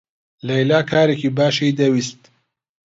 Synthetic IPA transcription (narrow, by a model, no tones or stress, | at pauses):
lajlaːkʰaːɾekibaːʃejd̪awist̪